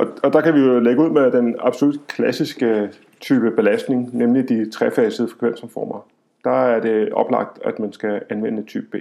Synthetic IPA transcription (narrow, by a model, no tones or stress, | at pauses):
ʔɒ̽ɒ̽d̥ɑ̈kæʋijo̝leɡ̥əuð̰ˠmed̥enɑ̈b̥so̝lud̥kʰlæsisɡ̥ə | t͡sʰyːb̥əb̥e̝læsd̥ne̝ŋnemlid̥it͡sʰʁɛfɛɪsəð̩ˠfʁɛ̥kʰʋen̰sɒmfɒ̰ːmɐ | d̥ɑ̈æɐd̥e̝ɒ̽b̥lɑ̈ɡ̥̚d̥æ̰d̥mænsɡ̥æænʋenəet͡sʰy̰ːb̥əb̥e̝̰ː